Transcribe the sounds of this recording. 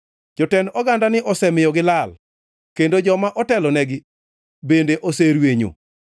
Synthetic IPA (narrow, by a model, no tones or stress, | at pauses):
d͡ʒɔtɛnɔɡandanɪʔɔsɛmɪjɔɡɪlal | kendod͡ʒɔmaʔɔtɛlɔnɛɡɪ | bendeʔoseɾweɲo̰